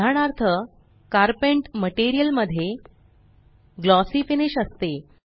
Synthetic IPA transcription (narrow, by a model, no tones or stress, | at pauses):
aɽ̃aɾt̪ʰə | kaɾpeɳʈməʈeɾijəlməd̪ʱːje | ɡlɔsifiniɕəst̪e